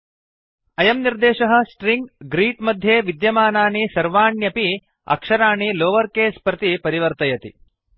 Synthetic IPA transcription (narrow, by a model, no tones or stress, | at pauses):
ɐjɐmniɾd̪eːʃɐɦɐ̆sʈɾiŋɡɡɾiːʈmɐd̪ʱjeːʋid̪jɐmaːnaːɳisɐɾʋaːɳjɐpi | ɐ̰kʂɐɾaːɳiloːʋɐɾkeːspɾɐt̪ipɐɾiʋɐɾt̪ɐjɐt̪ḭ